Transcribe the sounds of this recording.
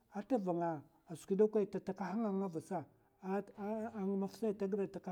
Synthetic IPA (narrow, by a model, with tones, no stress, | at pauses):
a˦ta˦va˨ŋa˨ | a˨skʷi˦da˦kʷa˦˨ta˨ta˨ka˦ha˦ŋa˦ŋa˦va˨sa˦˨ | ŋ˦ma˦fsa˦˨ta˦ɡɾa˨ta˨ka˦